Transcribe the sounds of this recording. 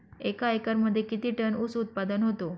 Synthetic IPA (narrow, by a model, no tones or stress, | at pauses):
ekajkəɾməd̪ʱːjekit̪iːʈənusut̪̚pad̪ənɦot̪o